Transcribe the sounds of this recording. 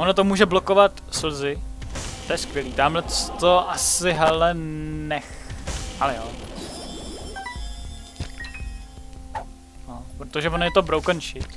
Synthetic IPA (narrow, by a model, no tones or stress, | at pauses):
onot̪omuːʒɛblokovat̪sl̩zɪt̪ojɛskʋjɛliːt̪amlɛtst̪oʔasɪɦɛlɛnɛxhalɛjoː | nopɾot̪oʒɛvonjɛt̪o̞bɾowkənʃɪt̪